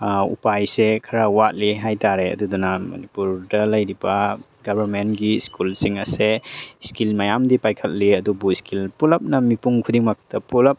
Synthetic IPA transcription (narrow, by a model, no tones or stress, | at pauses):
ṵpajsekʰɐɾawat̚liɦajtaɾeɐ̰dudunamɐ̰nipuɾdɐlɐjɾibɐ | ɡɐbʱɐɾmentɡiskʰulsiŋɐseskilmajamdipajkʰɐt̚liɐdubuskʰilpulɐp̚nɐmipuŋkʰudiŋmak̚tɐpulɐp̚